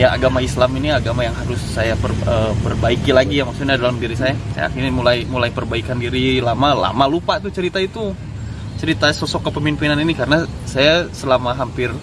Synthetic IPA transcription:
jaa̰ɡamaislaminiaɡamajaŋɦaɾʊsːajapərəpərbaikilaɡijamak̚sut̪̚ɲadalamdiɾisajasa̰ja̰kinimulajmulajpərbaikandiɾilamala̰malupat̪ut͡ʃəɾit̪ait̪u | t͡ʃəɾit̪asosɔkːəpəmimpinaninikaɾənasajasəlamaɦampɪr

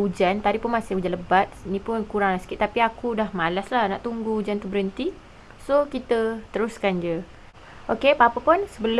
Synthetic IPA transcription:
ud͡ʒant̪aɾipʊnmasɪŋud͡ʒaləbat̪̚inĩpʊnkuɾaŋlasə̥kɪt̪ːapiakudahmalaslahnaʔt̪uŋɡuud͡ʒant̪ubəɾənt̪i | sokit̪ət̪əɾʊskand͡ʒə | ʔokepapəpʊnsəbəl

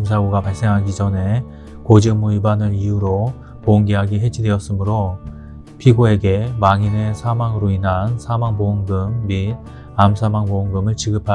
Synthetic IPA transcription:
ms̬ʰaɡoɡapaɭs͈eŋɦanɡid͡ʑʌne̞ | kod͡ʑɯmuibanɯɾijuɾo | poŋɡeɦaɡeɦed͡ʑʰidwe̞ʌs͈ɯmɯɾo | pʰiɡoe̞ɡe̞maŋine̞sʰamaŋɯɾoinɦansʰamaŋpoŋɡɯmːid̚ | amsʰamaŋpoŋɡɯmɯɭt͡ɕiɡɯpʰa

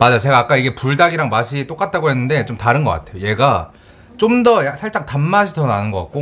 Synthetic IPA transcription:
mad͡ʑat͡ɕe̞ɡaːk͈aiɡe̞puɭdaɡiɾaŋmaɕʰit͈ok͈at̚t͈ʰaɡoɦe̞nːɯnde̞t͡ɕomtaɾɯnɡʌk͈a̰tʰe̞joje̞ɡa | t͡ɕ͈omdʌjaksʰaɭt͡ɕ͈aŋtamːaɕʰitʌnanɯnɡʌk͈a̰t̚k͈o

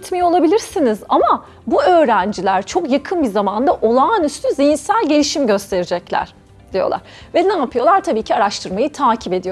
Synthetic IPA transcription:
t̪mijo̞lˠabilʲiɾsinizama | buø̞ːɾænd͡ʒilʲæɾt͡ʃʰo̞kjakʰɯnbizamand̪aʔo̞lˠaːnyst̪ʰyzijinsælʲɟe̞lʲiʃimɟø̞st̪ʰe̞ɾid͡ʒɛclʲæ̰ɾ̥ | d̪̥ijo̞̰lˠa̰ɾ̥vɛnaːpʰɯjo̞lˠaɾt̪ʰabiːcʰiaɾaʃt̪ʰɯɾmajɯt̪ʰaːcʰipe̞d̪ijo

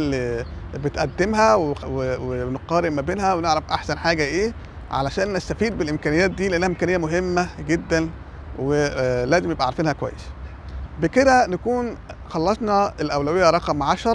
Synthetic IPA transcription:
lːibet̪ʔæ̰d̪ːemɦæweweweneqːɑːɾebmæbeːnhæweneʕɾæfʔaħsænħaːɡæʔeː | ʕa̰læʃæːnːæst̪æfiːd̪̚belʔemkæːnejæːt̪̚d̪iːleʔænːæhæʔemkænejːæmoɦemːæɡed̪ːæn | welæːzemnebʔæʕɾˤfiːnhækowæ̰jːḛs | beked̪ænekuːnxɑlːɑsnɑelʔæwlæwejːæɾˤɑqɑmʕaʃɑɾˤ

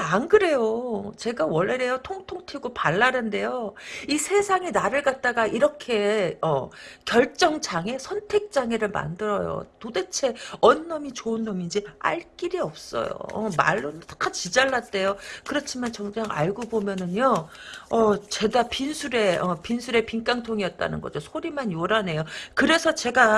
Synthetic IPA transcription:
anɡɯɾe̞jot͡ɕe̞ɡawʌɭːeɾe̞jʌtʰoŋtʰoŋtʰiɡopaɭːaɾɯnde̞joisʰe̞sʰaŋinaɾɯɭɡat̚t͈aɡaʔiɾʌkʰe̞ʌkjʌɭt͡ɕ͈ʌŋt͡ɕʰaŋe̞sʰʌntʰe̞k̚t͡ɕ͈aŋe̞ɾɯɭma̰ndɯɾʌjo̰tode̞t͡ɕʰe̞ʌnːʌmit͡ɕoɯnːʌmind͡ʑia̰ɭk͈iɾiʌp̚s͈ʌ̰jo̰ʌ̰ma̰ɭːotḁkʰːat͡ɕid͡ʑaɭːat̚t͈e̞jokɯɾʌt͡ɕʰimant͡ɕʌŋd͡ʑaŋa̰ɭɡobomjʌnɯnjoʌt͡ɕe̞dapinsʰuɾe̞ʌpinsʰuɾe̞piŋk͈aŋtʰoŋijʌt̚t͈a̰nɯnɡʌd͡ʑosʰoɾimanjoɾane̞jokɯɾe̞sʰʌt͡ɕe̞ɡa

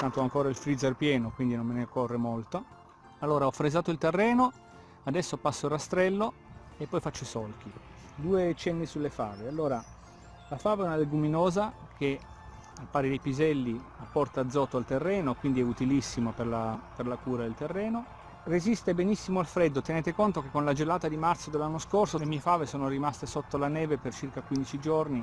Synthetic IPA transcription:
t̪ant̪oaŋkoːɾailfɾid̪zerpjɛːnokwind̪inomːenekːorːemolt̪o | alːoːɾaɔfɾezaːt̪oilt̪erːɛːno | ad̪ɛsːopasːoirːast̪ɾɛlːo | epːɔjfat͡ʃːoisɔlk̟i | d̪uːet͡ʃɛnːisulːefaːvealːoːɾa | lafaːveɛunaleɡuminoːza | k̟e | alpaːɾed̪ejpizɛlːiapːɔrt̪aːd̪zːɔːt̪oalt̪erːɛːnokwind̪iɛut̪ilisːimoperlaperlakuːɾad̪elt̪erːɛːno | rezist̪ebenisːimoalfɾɛd̪ːot̪eneːt̪ekont̪ok̟ekːonlad͡ʒelaːt̪ad̪imat̪sod̪elːanːoskorsolemiːefaːvesoːnorimast̪esot̪ːolanɛːvepert͡ʃirkakwind̪it͡ʃid͡ʒorni

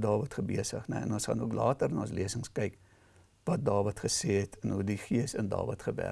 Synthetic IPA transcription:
dɑːvətχəbiəsə̰χnɛ̰ɛ̰nɔsχɐ̰nuəklɑːtərnɑːəs̬liəsəŋskɛjk | vɐt̚dɑːvɐtχəseːɛtʰənɦudiχiəsə̰ndɑ̰ːvətχəbæ̰

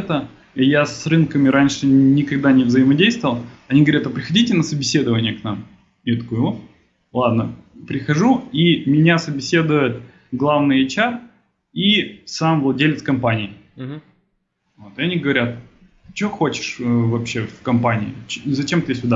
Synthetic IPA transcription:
t̪ə | jasrɨnkəmʲɪɾanʲʂɨnʲɪkɐɡ̚d̪anʲɪvzəjɪmɐdʲejst̪vəvəlˠɐnʲiɡəvɐɾʲat̪ɐpɾʲɪxɐdʲitʲɪnəsəbʲɪsʲe̞d̪ɨvənʲɪjəknam | jat̪ɐkojvot̪ | lˠad̪nəpɾʲɪxɐʐuimʲɪnʲasəbʲɪsʲe̞d̪ʊjɪt̪ | ɡlˠavnɨjɐt͡ɕar | isamvlˠɐdʲelʲɪt̪skɐmpanʲɪɪ | vo̞t̪ɨɐnʲiɡəvɐɾʲat̪̚ | t͡ɕoxo̞t͡ɕɪ̥ʂvɐpɕefkɐmpanʲɪɪzɐt͡ɕemt̪ɨjesʲvʊd̪a

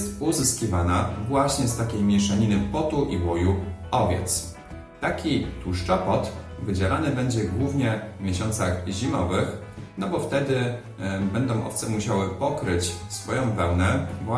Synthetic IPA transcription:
st̪uzɘskʲivanavwaɕɲɛst̪akʲejmʲjɛʂaɲinɘpɔt̪uʔiwɔjuɔvʲjɛ̰t̪s | t̪akʲit̪uʂt͡ʂɔpɔt̪vɘd͡ʑɛlanɘbɛɲd͡ʑɛɡwuvɲɛvmʲjɛɕɔnt̪saɣʑimɔvɘxnɔbɔft̪ɛd̪ɘ | bɛnd̪ɔ̃w̃ʔɔ̰ft̪sɛmuɕawɘpɔkɾɘt͡ɕsfɔjɔ̃w̃pɛwnɛvwa

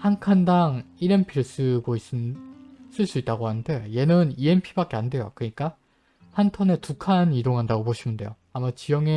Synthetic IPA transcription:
hankʰandaŋ | iɾempʰiɭs͈ɯɡois͈ɯ | s͈ɯɭs͈uit̚t͈aɡohanɯndʰe̞joje̞nɯnie̞npʰibak͈e̞ande̞jo̰kɯɲik͈a | hantʰʌne̞tukʰanidoŋɦandaɡopoɕʰinɯnde̞̰jo | amat͡ɕijʌŋe̞

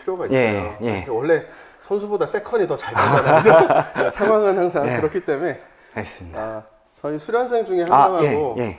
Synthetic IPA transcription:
pʰiɾjoɡaijsseʌojekʰewʌɭːe̞ | sʰʌnsʰubodas͈e̞kʰʌɲitʌt͡ɕaɭkʌad | sʰaŋɦwaŋɯnhaŋsʰaŋŋkɯɾʌkʰit͈e̞mune̞ | mas͈ɯmida | sʌisʰuɾjʌns̬ʰeŋd͡ʑuŋe̞haaŋɦaɡoje

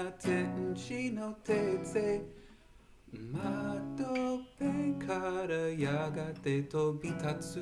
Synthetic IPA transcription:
at̪ʰen̩t͡ʃinot̪ʰet͡se | matopekʰaɾəjaɡat̪et̪obit̪ʰat͡s

